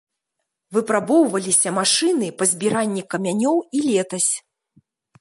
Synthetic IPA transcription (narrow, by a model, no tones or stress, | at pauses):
vɨpɾabɔwvɐlʲisʲɐmaʂɨnɨpɐzʲbʲiɾanʲːikɐmʲanʲɔwilʲɛt̪ɐsʲ